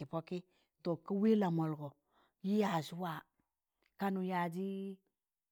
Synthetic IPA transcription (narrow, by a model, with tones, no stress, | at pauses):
i˨po˦ki˦ | to˨ki˦wi˦la˨mo˨lɡo˨ | ji˦ja˨ʃu˦wa˦˨ | ka˨nu˨ja˨d͡ʒi˦